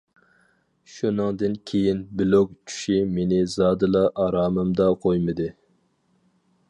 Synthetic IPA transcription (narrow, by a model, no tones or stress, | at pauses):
ʃunɨŋd̪ɨnkʲʰejinbɪlok̚t͡ʃʰy̥ʃimenɪzɑːd̪ɨlˠɑʔɑɾɑːmɨmd̪ɑqʰojmɨd̪ɨ